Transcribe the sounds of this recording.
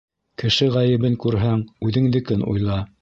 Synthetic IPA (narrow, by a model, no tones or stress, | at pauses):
kɘ̆ʃɘʁæjɘ̆βɘŋkʉɾɦæŋʉðɘ̆ŋd̪ɘ̆kɘnṵjlˠɑ